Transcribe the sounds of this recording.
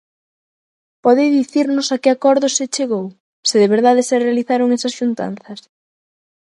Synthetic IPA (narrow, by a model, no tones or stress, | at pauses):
pɔðeðiθiɾnʊsakɪakɔɾðʊset͡ʃeɣow | sɪðeβeɾðaðɪserealiθaɾoŋɛsɐsʃunt̪a̰n̟θɐs